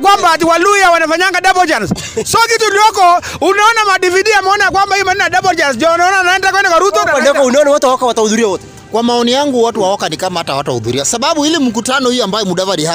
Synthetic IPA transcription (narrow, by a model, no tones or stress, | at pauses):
kwambat̬iwalujawanafaɲaŋɡaɗabɔld͡ʒans | sɔkitulijɔkɔunaɔnamaɗiviɗiamɛɔnajakwambahijɔmaninaɗabɔld͡ʒans̬d͡ʒɔanaɔnanaɛndakwɛndɛkwaɾut̪ɔanɛɔkɔunaɔnawɔtɛwaɔkawatahuðuɾiawɔtɛ | kwamaɔnijaŋɡuwatuwaɔkanikamaatawatahṵðuɾiasaɓaɓuilim̩k̬utanɔhijɔambajɔmuɗavaɗia